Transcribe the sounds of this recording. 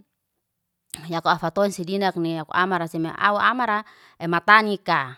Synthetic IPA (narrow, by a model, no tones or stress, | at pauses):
jakuafat̪ɔinsidinak̚nijakṵʔamaɾasimeʔa̰uamaɾa | ɛmat̪anika